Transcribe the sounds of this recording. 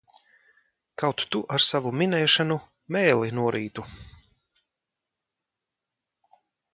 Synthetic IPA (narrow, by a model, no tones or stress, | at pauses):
kawt̪ːuʔaɾsavuminɛːʃanu | mɛːlˠinuɔɾʔiːt̪u